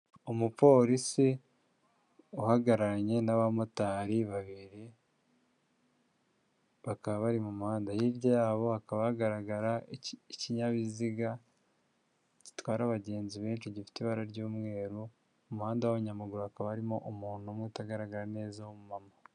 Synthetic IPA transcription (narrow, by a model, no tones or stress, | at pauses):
omupo̞ːɾisi | uhaɡaɾaɲe̞naβamotaːɾiβaβiɾi | βakaβaβaɾimumuhaːndajiɾɟajaːβo̞hakaβahaɡaɾaɡaɾaiciɲaβiziɡa | ɟi̥twaːɾaβaɟe̞ːnziβeːnʃiɟifi̥teβaɾaɾɟuːmŋe̞ːɾu | umuhaːndawoβuɲamaɡuɾuhakaβaaɾimo̞ʔumuːnuomwutaɡaɾaɡaɾane̞ːzawomumama